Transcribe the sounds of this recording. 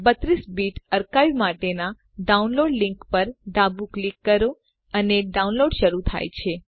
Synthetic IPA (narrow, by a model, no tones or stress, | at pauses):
bət̪ɾisbiʈəɾkaimaʈena | ɖaunloɖliŋkpəɾɖabuklikːəɾo | əneɖaunloɖʃəɾut̪ʰa̰jt͡ʃʰe